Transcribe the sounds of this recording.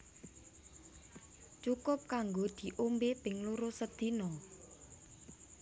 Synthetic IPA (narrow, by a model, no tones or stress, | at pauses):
t͡ʃukʊp̚kaŋɡod̪̥i̤ʔombep̪ɪŋluɾosəd̪̥i̤nɔ